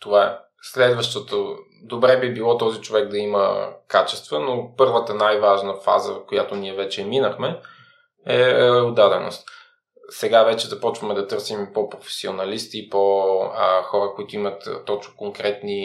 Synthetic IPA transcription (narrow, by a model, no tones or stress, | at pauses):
t̪ovaɛ | slɛd̪vəʃt̪ot̪o | d̪obɾɛbibilˠɔt̪ɔzit͡ʃovɛɡd̪ɐimə̰kat͡ʃɛst̪vənopɤɾvət̪ənajvaʒnəfa̰zə̰vfkojat̪oniɛvɛt͡ʃɛminəxmɛ | ɛɛod̪ad̪ɛno̰st̪ | sɛɡavɛt͡ʃɛzɐpɔt͡ʃvəmɛd̪ɐt̪ɤɾsimpopɾofɛ̥sio̰nɐlist̪ipo | xɔɾəkoit̪ʊimət̪ːɔt͡ʃnokoŋkɾɛt̪ni